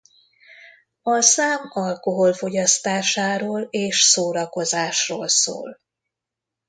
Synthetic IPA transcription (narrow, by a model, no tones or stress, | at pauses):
ɒsaːmɒlko̞ɦo̞lfo̞ɟɒst̪aːʃaːɾoːleːʃsoːɾɒko̞zaːʃroːlso̰ːl